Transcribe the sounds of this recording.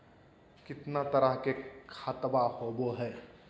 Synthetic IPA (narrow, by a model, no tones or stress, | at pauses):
kɪt̪nat̪əɾəɦkekʰat̪bahoboɦɛː